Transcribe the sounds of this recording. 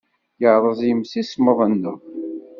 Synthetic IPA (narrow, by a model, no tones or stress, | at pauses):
jəʕɾˤəzˤjəmsisməðˤənːə